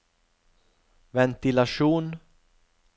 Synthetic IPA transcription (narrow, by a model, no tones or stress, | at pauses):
vɛnt̪ɪlaʂuːn